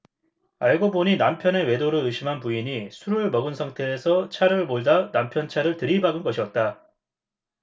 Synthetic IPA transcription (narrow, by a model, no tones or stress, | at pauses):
aɭɡoboɲinampʰjʌne̞we̞doɾɯɯɕʰimɦanpuiɲisʰuɾɯɭmʌɡɯnsʰaŋtʰe̞ːsʰʌt͡ɕʰaɾɯɭmoɭdanampʰjʌnt͡ɕʰaɾɯɭtɯɾibaɡɯnɡʌɕʰiʌt̚t͈a